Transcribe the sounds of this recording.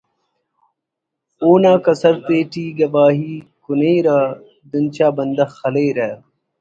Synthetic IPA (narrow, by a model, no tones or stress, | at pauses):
oːnãːkɐsɐɾt̪eːʈiːɡɐbaːɦiːkuneːɾaː | d̪unt͡ɕaːbɐnd̪ɐxɐleːɾa